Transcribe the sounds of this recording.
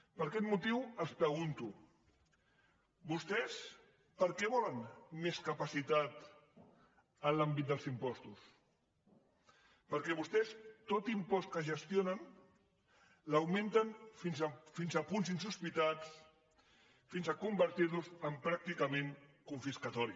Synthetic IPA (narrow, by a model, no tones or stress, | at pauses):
pəɾkɛt̪mut̪iwəlspɾəɣ̞unt̪u | bust̪ɛs | pəɾkɛβɔlənmeskəpasit̪at̪ | əlambit̪̚d̪əlˠzimpɔst̪us | pəɾkɛβust̪ɛst̪ot̪impɔst̪̚kəʒəst̪jonən | ləwmẽnt̪ənfinzfinzapunz̬insuspit̪at͡s | finzakumbəɾt̪iɾnuzəmpɾak̚t̪ikəmeŋkuɱfiskat̪ɔɾi